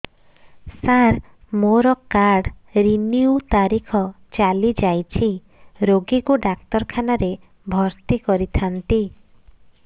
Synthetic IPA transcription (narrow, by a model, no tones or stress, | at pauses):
saɾ | moɾɔkaɾɖɾiniut̪aɾikʰɔ | t͡ʃalid͡ʒajt͡ʃʰi | ɾoɡikuɖak̚t̪ɔɾkʰanaɾe | bʱɔɾt̪ikɔɾit̪ʰant̪i